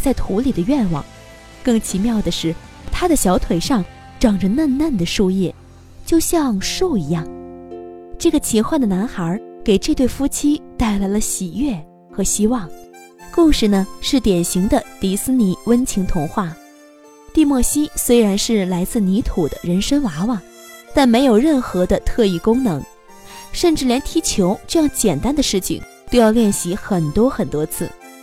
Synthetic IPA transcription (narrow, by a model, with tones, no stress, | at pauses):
t͡sa˥˩ɪt̪ʰu˧˥li˨˩d̪ə˦ɥɛ˥˩nwɑ̰˨˩˦ŋ | kɤ˥˩ŋt͡ɕʰi˧˥mjɑ˥˩ʊd̪ə˩ʂɻ̩˥˩ | t̪ʰa˥d̪ə˨ɕjɑ˧˥ʊt̪ʰwe˨˩ɪʂɑ˥˩ŋ | ʈ͡ʂɑ˨˩ŋʈ͡ʂə˦na˥˧nna˥˩nd̪ə˩ʂu˥˧jɛ˥˩ | t͡ɕjo˥˧ʊɕjɑ˥˧ŋʂo˥˩ʊi˧˥jɑ˥˩ŋ | ʈ͡ʂɤ˥˩ɡə˩t͡ɕʰi˧˥xwa˥˩nd̪ə˩na˧˥nxə˞˧˥ke˨˩ɪʈ͡ʂɤ˥˧t̪we˥˩ɪfu˥t͡ɕʰi˥t̪a˥˩ɪla˧˥ɪlə˧ɕi˨˩ɥɛ˥˩ | xɤ˧˥ɕi˥wɑ˥˩ŋ | kʊ˥˧ŋʂɻ̩˧˩nə˧ʂɻ̩˥˩t̪jɛ˨˩nɕi˧˥ŋd̪ə˧t̪i˧˥sɹ̩˥ni˧˥wə˥nt͡ɕʰi˧˥ŋt̪ʰʊ˧˥ŋxwa˥˩ | t̪i˥˧mwɔ˥˩ɕi˥swe˥ɪɻa˧˥nʂɻ̩˥˩la˧˥ɪt͡sɹ̩˥˩ni˧˥t̪ʰu˨˩d̪ə̰˦ɻə˧˥nʂə˥ŋwa˧˥wɑ˨˩ŋ | t̪a˥˩nme˧˥ɪjo˨˩ʊɻə˥˩nxɤ˧˥d̪ə˧t̪ʰɤ˥˧i˥˩kʊ˥ŋnɤ˧˥ŋ | ʂə˥˧nʈ͡ʂɻ̩˥˩ljɛ˧˥nt̪ʰi˧˥t͡ɕʰjo˧˥ʊʈ͡ʂɤ˥˧jɑ˥˧ŋt͡ɕjɛ˨˩nt̪a˥nd̪ə˨ʂɻ̩˥˩t͡ɕʰḭ˩ŋ | t̪o˥˧ʊjɑ˥˧ʊjɛ˥˩nɕi˧˥xə˨˩nt̪wɔ˥xə˨˩nt̪wɔ˥t͡sʰɹ̩˥˩